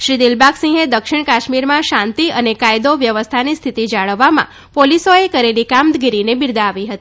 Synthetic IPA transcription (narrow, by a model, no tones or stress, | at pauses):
ʃɾid̪ilbaksĩɦed̪əkʃɪɳ̃kaʃmiɾmãʃãnt̪iənekajd̪oʋjəʋəst̪ʰanist̪ʰit̪id͡ʒaɭəʋːamã̰ | polisoekəɾelikamd̪ɡiɾinebiɾd̪aːʋiɦət̪ii